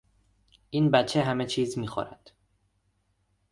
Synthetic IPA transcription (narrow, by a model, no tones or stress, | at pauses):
ʔiːnbæt͡ʃʰːeɦæmet͡ʃʰiːzmiːxɔ̰ɾæ̰d̪̥